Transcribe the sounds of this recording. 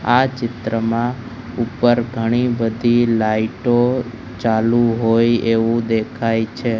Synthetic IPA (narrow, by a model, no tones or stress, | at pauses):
at͡ʃɪt̪ɾəmã | upəɾɡʱəɽ̃ibəd̪ʱilaiʈo | t͡ʃalũɦojeʋũd̪ekʰajt͡ʃʰe